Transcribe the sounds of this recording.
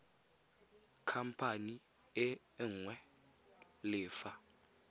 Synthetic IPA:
kʰam̩pʰani | ɪ | ŋwɛ | lɪːfa

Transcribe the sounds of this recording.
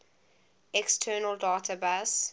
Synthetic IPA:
ɛkstʰɜːnəlˠdaːtʰəbas

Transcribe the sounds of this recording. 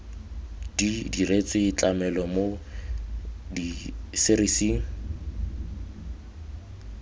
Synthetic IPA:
didiret͡sʼɪit͡ɬʼamɛlɔmo | disɪɾisiŋ̩

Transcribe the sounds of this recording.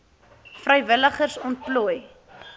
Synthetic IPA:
frəjvələχərsɔnt̚pluəj

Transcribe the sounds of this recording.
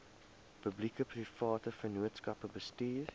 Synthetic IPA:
pəblikəpʰrifɑːtəfənuətskɐpəbəstiːr

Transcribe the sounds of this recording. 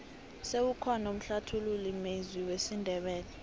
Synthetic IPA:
sewukʰanom̩ɬatʰululimeziwesindʱɛɓɛːlɛ

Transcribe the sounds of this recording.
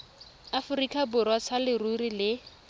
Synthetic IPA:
afʊrikʼabʊɾwat͡sʰalɪrurilɪ

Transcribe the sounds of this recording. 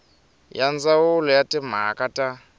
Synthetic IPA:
jand͡zawʊlɔjatim̤akʼatʼa

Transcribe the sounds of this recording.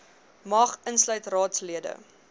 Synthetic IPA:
mɐχənslœɥtrɑːtsliədə̰

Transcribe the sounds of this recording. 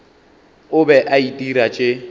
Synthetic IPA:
ʊbɛʔaitʼiɾat͡ʃʼe

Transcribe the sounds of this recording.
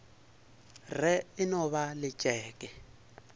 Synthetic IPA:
rɛɪnɔβalɪt͡ʃʼɛːkʼɛ

